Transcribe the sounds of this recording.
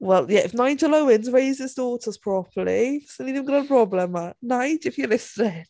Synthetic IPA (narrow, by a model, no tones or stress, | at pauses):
wɛlˠjɛʔɪfnaɪd͡ʒələʊɪ̃nzɹeɪzɪzdɔːˑtʰəz̥pʰɹ̥ɔpʰəlisnidɛvə̃nɡɔɾəəpʰɹ̥ɔblə̃mənaɪd͡ʒɪfjəlɪsðɛ̥